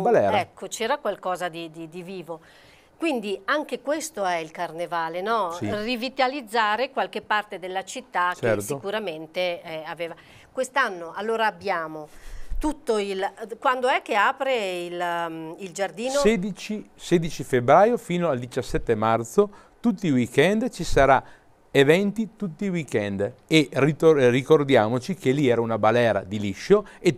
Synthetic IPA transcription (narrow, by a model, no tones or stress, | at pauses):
balɛɾɛkʰːot͡ʃɛːɾakwalkɔːzad̪id̪id̪iviːvo | kwind̪iaŋk̟ekwest̪oɛilkarnevaːlenɔsirivit̪alid̪zːaːɾekwalkepːart̪ed̪elːat͡ʃit̪ːakt͡ʃɛɾtsikuɾament̪eɛaveːva | kwest̪anːoʔalːoːɾaːbːjaːmot̪ut̪ːoilkwand̪oɛk̟ːeaːpɾeilild͡ʒard̪iːnoɛd̪it͡ʃisɛːd̪it͡ʃifebɾaːjofiːnoald̪it͡ʃasːɛt̪ːemart̪so | t̪ut̪ːiwikɛnd̪t͡ʃisaɾa | evɛnt̪it̪ut̪ːiwikɛnd̪eriorikord̪jaːmot͡ʃikʰeliɛːɾaunabalɛːɾa̰d̪iliʃːoe